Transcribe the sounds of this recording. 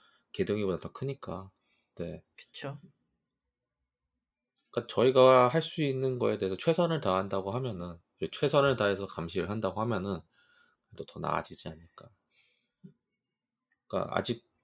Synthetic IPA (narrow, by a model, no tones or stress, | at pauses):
ke̞dɯŋibodatakʰɯɲik͈a | ne̞kɯ̥t͡ɕʰo | k͈at͡ɕʌiɡaɦaɭs͈uinːɯnɡʌe̞de̞esʰʌt͡ɕʰwe̞sʰʌnɯɭtaɦandaɡoɦamjʌnɯn | et͡ɕʰwe̞sʰʌnɯɭtae̞sʰʌkamɕʰiɾɯɭɦandaɡoɦamjʌnɯn | kɯetotʌna̰d͡ʑid͡ʑiaɲɯɭk͈a | k͈a̰ʔa̰d͡ʑik̚